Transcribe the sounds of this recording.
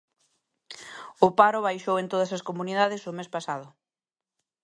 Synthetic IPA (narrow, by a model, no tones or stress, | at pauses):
ʊpaɾʊβajʃowẽnt̪oðɐsɐskomuniðaðɪsʊmespasað̞ʊ